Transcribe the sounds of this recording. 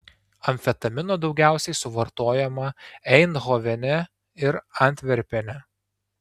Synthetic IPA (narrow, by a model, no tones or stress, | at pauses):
ɐmʲfʲɛt̪ɐmʲɪnoːd̪ɒʊɡʲæˑʊsʲɛɪsʊʋɐɾt̪oːjɛmɐɛɪnɣoːʋʲɛnʲɛ | ɪɾɐnʲt̪ʲʋʲɛɾʲpʲɛnʲɛ